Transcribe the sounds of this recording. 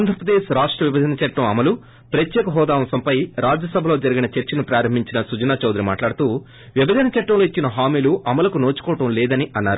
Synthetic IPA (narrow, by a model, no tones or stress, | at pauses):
nd̪ʱɾɐpɾɐd̪eːʃɾaːʂʈɾɐʋibʱɐd̪ʱɐnɐt͡ʃɐʈːɐmɐmɐlu | pɾɐt̪jɛːkɐɦɔːd̪aːmsɐmpɐjɾaːd͡ʒjɐsɐbʱɐlo̞ːd͡ʒɐɾiɡinɐt͡ʃeɾt͡ʃɐnupɾaːɾɐmbʱiɲt͡ʃinɐsud͡ʒɐnaːt͡ʃoːd̪ɾima̰ːʈlaːɽut̪uː | ʋibɐd̪ʱɐnɐt͡ʃɐʈːɐmloːit͡ʃːinɐɦaːmiːluʔɐmɐlɐkunoːt͡ʃu̥kɔːɐʈɐmlɛːd̪ɐniʔɐnːaːɾu